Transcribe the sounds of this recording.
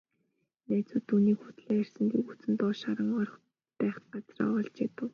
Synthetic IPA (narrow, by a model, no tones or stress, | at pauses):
næːt͡suːt̪ʰːuːniːkxut̪ɮeːær̥sɘ̆nt̪ikut͡sɘ̆nt̪ɔːʃaɾə̆ŋɔr̆χ | pæːχɢat͡srɔ̰ːɔɮt͡ɕet̪ə̆w